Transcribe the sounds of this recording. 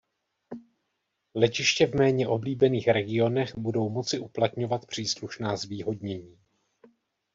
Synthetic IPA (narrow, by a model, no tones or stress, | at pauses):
lɛcɪʃcɛvmɛːɲɛʔo̞bliːbɛniːxɾɛɡɪo̞nɛxbudo̞wmo̞t͡sɪʔuplat̪ɲo̞vat̪pr̝̥iːsluʃnaːzviːɦo̞dɲɛɲiː